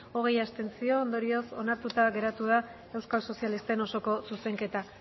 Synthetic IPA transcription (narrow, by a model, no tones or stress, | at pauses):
o̞ɣ̞e̞jast̪e̞nt͡sio̞ːnd̪o̞ɾio̞so̞naɾt̪ut̪aɣe̞ɾat̪uð̞a | e̞wskalso̞sialist̪e̞no̞so̞ko̞suse̞ŋke̞t̪a